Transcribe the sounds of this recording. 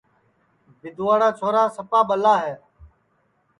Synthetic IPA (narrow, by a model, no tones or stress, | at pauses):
bɪd̪ʱʊʋaːɽaːt͡ʃʰoːɾaːsəpaːɓəlaːɦɛː